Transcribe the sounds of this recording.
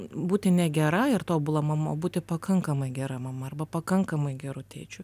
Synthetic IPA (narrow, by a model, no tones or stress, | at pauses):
buːt̪ʲɪnʲɛɡʲɛɾɐɪrt̪oːbʊlˠɐmɐmoːbuːt̪ʲɪpɐkɐŋkɐmɐɪɡʲɛɾɐmɐmɐɐrbɐpɐkɐŋkɐmɐɪɡʲɛɾʊt̪ʲɛːt͡ʃʲʊ